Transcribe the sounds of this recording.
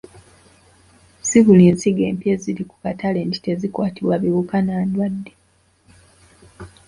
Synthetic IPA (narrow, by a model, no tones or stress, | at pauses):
siβulinsiɡe̞̰ːmpjeziliku̥katale̞ːndi̥te̞zikwaːtiβwaβiβukanaːndwadːe